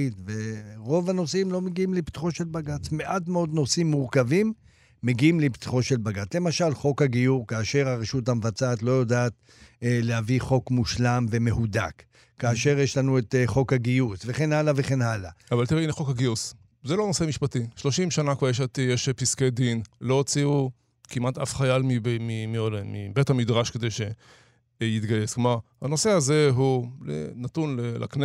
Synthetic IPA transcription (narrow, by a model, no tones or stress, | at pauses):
it̪ve̞ʁo̞vano̞simlo̞meɡiimleptu̥χoʃe̞lbaɡat͡sme̞ʔatmeo̞d̪no̞simːuʁkavimː | e̞ɡiimlept̪i̥χo̞ʃe̞lbaɡat͡sle̞maʃalχo̞khaɡijuʁkaːʃe̞ʁaʁeʃutamevat͡saːt̪lo̞jodaːt̪ | lehaviχo̞kmuʃlamve̞me̞huda̰k | kːaːʃe̞ʁjeʃlanuet̪χo̞khaɡijusve̞χe̞nalave̞χe̞nalaavaltiʁeineχo̞khaɡius | zelonoseamiʃpatiʃlo̞ʃimʃanakvaʁjeʃat̪jeʃpisked̪inlo̞t͡siu | kimʔat̪ʔafχajalmibmimiodmḭbethamidʁaʃkedejʃe | jit̪ɡajesklomaʁhano̞se̞aze̞ɦulḛnatunlelʔa̰kne